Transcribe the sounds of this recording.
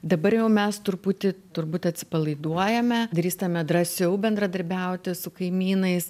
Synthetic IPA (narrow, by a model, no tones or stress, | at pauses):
d̪ɐbɐɾjɛʊmʲɛst̪ʊɾpuːt̪ʲɪt̪ʊrbuːt̪ʲɐt̪ʲsʲɪpɐlˠɐɪd̪uɔjɛmʲɛd̪ɾʲiːst̪ɐmʲɛd̪rɐsʲɛʊbʲɛnd̪ɾɐd̪ɐɾʲbʲɛʊt̪ʲɪsʊkɐɪmʲiːnɐɪs